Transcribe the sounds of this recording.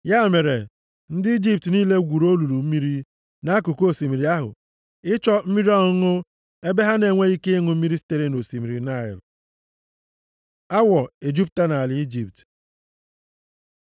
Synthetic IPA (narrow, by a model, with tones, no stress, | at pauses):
ja˦˨me˨ɾe˨ | n̩˦dɪ˦i˦d͡ʒi˦p̚tniː˦le˦ɡʷu˨ɾo˦lu˨ɾu˨m̩˦mi˦ɾi˦ | na˨˦a˦ku˨ko˦˨si˨mi˨ɾi˨˦a˦ɦʊ̰˨ | ɪ˦t͡ʃɔ˦m̩˦mi˦ɾi˦ɔ˦ŋʊ˦ | e˦be˦ɦa˦ne˨ŋʷe˦i˦ke˦i˦ŋʊ˨m̩˦mi˦ɾi˦si̥˦te˦ɾe˦no˨si˨mi˨ɾi˨na˦˨ɪ̰˨l | a˦wɔ˨e˨d͡ʒi˦p̚ta˦na˨a˨li˦i˦d͡ʒi˦˨p̚t